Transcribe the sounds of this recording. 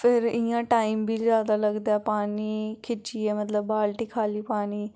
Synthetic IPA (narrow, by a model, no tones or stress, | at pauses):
pʰɪɾɪjãːʈaːimbʱiːzjaːd̪aːləɡd̪aːɛːpaːniːkʰɪt͡ʃiːɛːmət̪ləbːaːlʈiːkʰaːliːpaːniː